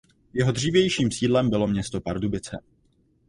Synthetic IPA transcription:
jɛɦo̞dr̝iːvjɛjʃiːmsiːdlɛmbɪlo̞mɲɛst̪o̞paɾdubɪt͡sɛ

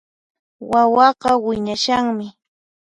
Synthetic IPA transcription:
wawɑɢɑwɪɲaʃaŋmɪ

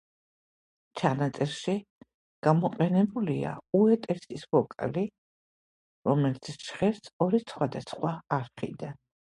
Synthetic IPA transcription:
t͡ʃʰanat̪sʼɛɾʃi | ɡ̥amɔqʼɛnɛbulia̰uɛt̪ʼɛɾsisvɔkʼa̰li | ɾɔmɛlit̪sʰʃχɛɾsɔɾisχwad̪asχwaːɾχḭd̪an

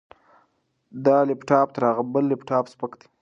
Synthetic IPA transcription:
d̪ɑlɪpʈɑpt̪əɾaɣabəlːɪpʈɑːpspəkd̪i̥

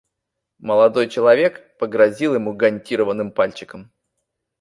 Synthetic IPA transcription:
məlˠɐd̪o̞jt͡ɕɪlˠɐvʲe̞kpəɡɾɐzʲilˠjɪmuɡɐnʲtʲiɾəvənːɨmpalʲt͡ɕɪ̥kəm

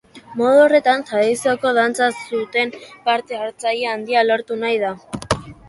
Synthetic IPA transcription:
mo̞ðuore̞t̪ant̪ɾaðisioko̞ðant͡sasut̪e̞mpaɾt̪e̞aɾt͡sajeand̪ialo̞ɾt̪unajða

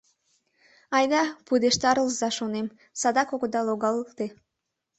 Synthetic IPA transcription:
ɑjd̪ɑpud̪eʃt̪ɑɾəlˠzɑʃonem | sɑd̪ɑkoɡod̪ɑlˠoɡɑlˠkt̪e

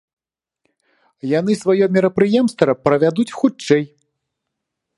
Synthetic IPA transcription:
jan̪ɨsvajɔmʲiɾɐpɾɨjɛmst̪ɾɐpɾɐvʲad̪ut͡sʲxut͡ʂt͡ʂːɛj

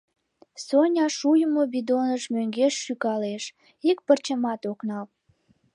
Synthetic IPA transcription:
sonʲɑʃujəmobid̪onəʃmøŋɡeʃːykɑleʃ | ik̚pərt͡ɕəmɑt̪oknɑl

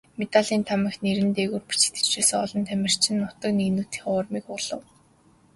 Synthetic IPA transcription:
met̪aɮiːnt̪ʰamɪ̆xneɾɘ̆nt̪eɣuːrpi̥t͡ɕɪ̥t̪ɘ̥̆t͡ɕt͡ɕeːsɘ̆ŋɔɮɞ̆nt̪ʰæmʲɪ̆r̥t͡ɕʰɪ̆nːʊt̪ɞ̆kninuːt̪i̥χʊrmiːkʊɮə̆w

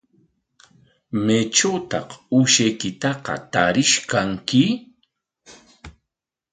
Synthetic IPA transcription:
met͡ʃawt̪ɑ̰quʃajkɪt̪ɑqɑ̰t̪aɾɪʃkaŋkɪ

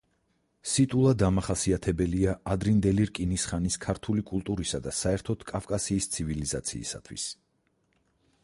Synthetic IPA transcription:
sit̪ʼulˠad̪amaχasiat̪ʰɛbɛliaad̪ɾind̪ɛliɾkʼinisχaniskʰaɾt̪ʰulikʼulˠt̪ʼuɾisad̪asaɛɾt̪ʰɔd̪̥kʼafkʼasiːst̪sʰivilizat̪sʰḭːsa̰t̪ʰwḭs

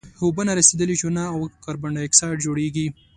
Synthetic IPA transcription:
hubənaɾased̪əlid͡ʒunaːwkaɾbaɳɖaɪksɑjʈd͡ʒoɽeɡi

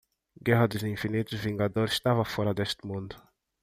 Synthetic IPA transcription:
ɡɛɦad̪izinfinit̪əviŋɡad̪ɔɾʃt̪avafɔɾad̪ɛst̪mund̪

